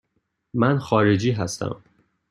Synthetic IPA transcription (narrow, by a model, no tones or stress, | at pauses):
mænxɒːɾed͡ʒiːɦæst̪æ̰m